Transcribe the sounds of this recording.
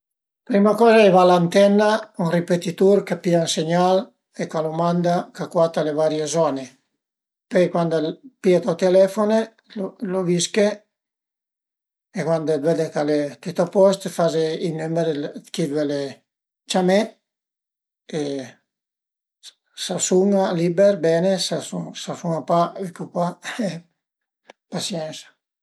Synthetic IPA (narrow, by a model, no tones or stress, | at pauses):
pɾimakɔːzaɛjvalant̪ɛnːaunripet̪it̪uɾkapiaunseɲal | ekalomand̪akakwat̪alevaɾjezɔne | pɛjkwand̪piat̪at̪elɛfone | loloviske | ekwand̪vɛd̪ekalet̪it̪apɔst̪fazeinymeɾekid̪wɛle | t͡ʃamɛ | e | sasuŋaliːbeɾbɛːnesasusasuŋapavikupwa | pasjɛnsḁ